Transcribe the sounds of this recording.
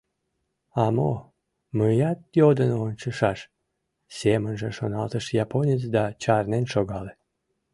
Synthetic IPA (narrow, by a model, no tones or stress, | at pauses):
ɑmo | mɨjɑt̪̚jod̪ənont͡ɕəʃɑʃ | sʲemənʒeʃonɑlt̪əʃjaponʲit͡sd̪ɑt͡ɕɑrnenʃoɣɑle